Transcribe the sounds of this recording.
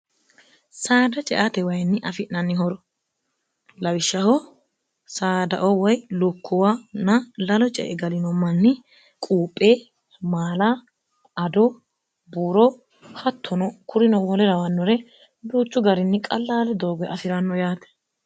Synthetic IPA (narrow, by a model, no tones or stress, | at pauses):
saːd̪ɐt͡ʃʼɛ̰ʔat̪ɛwɐjnːɪʔɐfɪʔnɐnːɪɦɔɾɔ | lɐwɪʃːɐhɔ | saːd̪ɐ̰ʔɔwɐjlʊkʰːɔwaːnɐlɐlɔt͡ʃʼɛ̰ʔɛɡɐlɪnɔmɐnːɪ | kʼuːpʼːe̞ː | maːla | ɐd̪ɔ | buːɾɔ | hɐt̪ʰːɔnɔkʰʊɾɪnɔwɔlɛɾɐwɐnːɔɾɛ | buːt͡ʃːʊɡɐɾɪnːɪkʼɐlːaːlɛd̪oːɡɔɐfɪɾɐnːɔjaːt̪ɛ̥